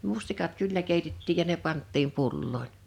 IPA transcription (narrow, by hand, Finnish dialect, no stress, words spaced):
mustikɑt kylːæ keˑitetːiːj jɑ ne pɑntːiːm pulːoˑin